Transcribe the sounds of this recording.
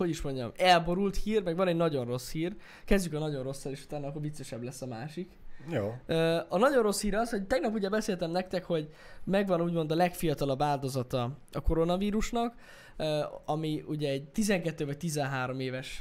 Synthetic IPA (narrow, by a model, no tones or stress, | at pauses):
ho̞ɟiʃmoɲɟɒ̰mɛlbo̞ɾult̪hiːrmɛɡʋɒnɛɟnɒɟo̞nro̞shiːr | kɛzɟykɒnɒɟo̞nro̞sːɒleːʃu̥t̪aːnɒːkːoɾvit̪sːeʃɛblɛsːɒmaːʃikjoøːɒnɒɟo̞nro̞shiːɾɒshoct̪ɛɡnɒpuɟɛbɛseːlt̪ɛmnɛkt̪ɛkho̞ɟ | mɛɡʋɒnuːɟmo̞nd̪ɒlɛkfijɒt̪ɒlɒbːaːld̪o̞zɒt̪ɒɒko̞ɾo̞nɒviːɾuʃnɒk | øɒmiuɟɛːɟt̪izɛŋkɛt̪ːøːvɒc̚t̪izɛnɦaːɾo̞meːvɛʃ